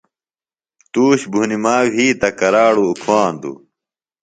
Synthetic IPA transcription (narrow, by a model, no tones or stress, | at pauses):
t̪uːɕbʱunimaːwiːt̪ɐkɐɾaːɽuːkʰwaːnd̪ṵ